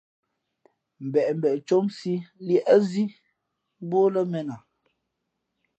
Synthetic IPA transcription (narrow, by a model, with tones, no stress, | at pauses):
m̩˨bɛ˨ʔm̩˨bɛ˨ʔt͡ʃo˦msi˦ljɛ˦ʔə˦zi˦ | bo˦lə˦mɛ˦na˨